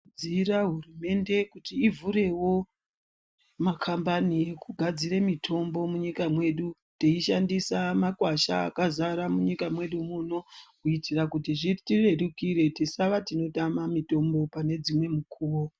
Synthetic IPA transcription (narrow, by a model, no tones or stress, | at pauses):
d͡ziɾaɦurume̞nde̞kutiːvuɾe̞wo̞ | makʰambaniekuɡʱad͡ziɾemitʰo̞mbo̞muɲikamwe̞ɗu | teiʃandisamakwaʃa̰ːkazaɾamuɲikamwe̞ɗumuno̞kuitirakutiʐitire̞ɗukiɾe̞tisaʋatino̞tamamito̞mbo̞pane̞d͡zimwe̞mukʰuːwo̞